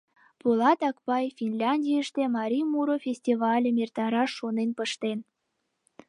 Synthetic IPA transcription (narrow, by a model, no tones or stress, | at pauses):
pulɑt̪ɑkpɑjfʲinlʲɑnʲdʲijəʃt̪emɑɾʲimuɾofʲesʲtʲivɑlʲə̆mʲert̪ɑɾɑʃonenpə̆ʃt̪en